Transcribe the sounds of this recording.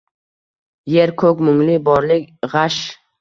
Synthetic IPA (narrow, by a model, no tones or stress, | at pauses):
jeɾkʰɵkʲmʊŋlɪbɒɾlɪkʲʁaʃ